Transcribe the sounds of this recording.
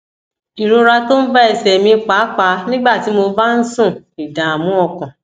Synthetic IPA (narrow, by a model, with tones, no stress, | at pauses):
i˨ɾo˧ɾa˧to˦n̩˦ba˦ɛ˨sɛ˨mĩ˧k͡pa˨˦k͡pa˨˦nĩ˦ɡ͡ba˦˨ti˨˦mo˧va˦n̩˦sũ˦˨i˨dã˨a˨mũ˨˦ɔ˧kã˨